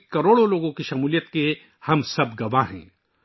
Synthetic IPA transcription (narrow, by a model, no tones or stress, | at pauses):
kɐɾoːɽõloːɡõkiʃɐmuːlijət̪ke | hɐmsɐbɡɐʋaɦɛ̰̃ː